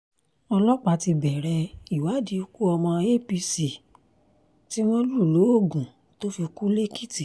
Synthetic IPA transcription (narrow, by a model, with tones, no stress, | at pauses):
ɔ˧lɔ˦k͡pa˧˨ti˧bɛ˨ɾɛ˧i˨wa˨˦di˧˦˧ku˦ɔ˧mɔ̃˧e˦pi˧si˨ | ti˦w̃ɔ̃˦lu˦˨lo˨˦o˦˨ɡũ˨ | to˦fi˧ku˦le˦ki˦ti˨